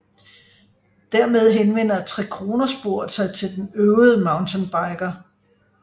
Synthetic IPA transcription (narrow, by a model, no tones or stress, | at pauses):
d̥æɐ̰með̞ˠɦenʋen̰ɐt͡sʰʁɛkʰʁo̝ːnɐsb̥o̝ɐ̰d̥sɑ̈ɪt͡sʰe̝ld̥enøʊð̩ˠəmɑ̈ʊnt͡sʰenb̥ɑ̈ɪɡ̥ɐ